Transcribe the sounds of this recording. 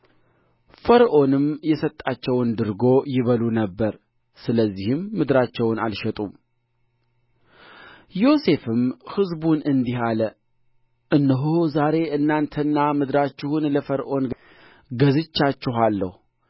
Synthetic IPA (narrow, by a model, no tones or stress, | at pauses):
fəɾʔo̞nɨmjɛsət̪ʼːat͡ʃːɛwnd̪ɨɾɡo̞jɪβəlunəbːəɾ | sɨləzːihɨmːɨd̪ɾat͡ʃːɛwna̰lʃɛt̪ʼum | jo̞se̞fɨmhɨzbunɨnd̪iɦalə | ʔɨnːɨɦhozaɾe̞ʔɨnːant̪ʰənːamɨd̪ɾat͡ʃːɪhunləfəɾʔo̞n | ɡəzɨt͡ʃːat͡ʃːɪɦalːə̰hu